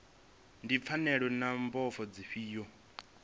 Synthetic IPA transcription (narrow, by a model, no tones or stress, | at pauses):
ndip̪fʰanɛɺwɛnambɔfɔd͡ziɸiːjɔ